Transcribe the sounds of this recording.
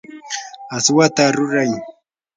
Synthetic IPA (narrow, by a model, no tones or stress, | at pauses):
aswat̪aɾʊɾaj